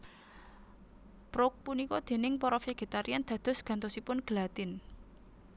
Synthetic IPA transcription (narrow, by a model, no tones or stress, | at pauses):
b̥ɾok̚punikɔd̪̥e̤nɪŋpɔɾɔfeɡ̥et̪aɾiand̪̥ä̤d̪̥ɔ̤sɡ̥a̤nt̪osipʊnɡ̥əlat̪ɪn